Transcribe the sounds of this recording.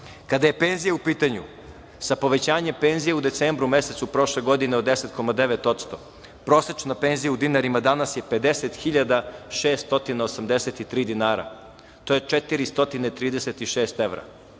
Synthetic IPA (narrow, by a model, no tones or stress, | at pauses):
kad̪aje̞pe̞nzijaupiːt̪aɲṵ | sapo̞ʋe̞t͡ɕaːɲempe̞ːnzijeud̪e̞t̪seːmbɾume̞se̞t̪supɾo̞ʃle̞ɡo̞d̪ineod̪eset̪ko̞mad̪e̞ʋet̪o̞t̪st̪o̞ | pɾo̞ːset͡ʃnape̞nzijaud̪inaɾimad̪anasje̞pe̞d̪e̞set̪xiʎad̪aʃeːst̪t̪o̞t̪inaosamd̪eset̪it̪ɾiːd̪inaːɾa̰ | t̪o̞jet͡ʃet̪iɾist̪o̞t̪inet̪ɾiːd̪eset̪iʃe̞ːst̪e̞ʋɾa̰